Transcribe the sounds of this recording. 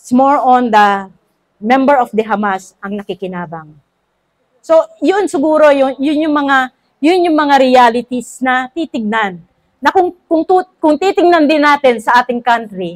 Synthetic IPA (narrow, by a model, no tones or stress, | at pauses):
smoɹond̪ɐ | mɛmbɛɹofd̪ɛɦɐmasʔɐŋnɐkɪkɪnaːbɐŋ | so̞jʊnsɪɡuːɾo̞jʊŋjʊnjʊŋmɐŋa | jʊnjʊŋmɐŋaɾɪjaːlɪt̪isnɐt̪it̪ɪɡ̚nanː | ɐkʊŋkʊŋt̪ukʊŋt̪it̪ɪŋ̚nɐnd̪ɪnːaːt̪ɛnsɐʔaːt̪ɪŋkant̪ɾɪ